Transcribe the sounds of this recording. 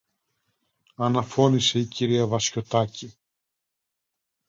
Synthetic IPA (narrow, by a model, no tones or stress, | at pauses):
ɐnɐfo̞nise̞iciɾiɐvɐsço̞t̪ɐci